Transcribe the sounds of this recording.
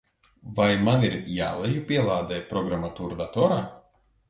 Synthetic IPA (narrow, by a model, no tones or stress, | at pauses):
vajmaniɾja̰ːlˠɛjupʲiɛlˠaːd̪ɛjpɾɔɡɾamat̪uːɾd̪at̪ɔɾaː